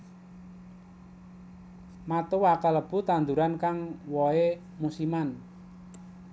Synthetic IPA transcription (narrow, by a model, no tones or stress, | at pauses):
mat̪owakaləb̥ṳt̪and̪uɾankaŋwɔe | musiman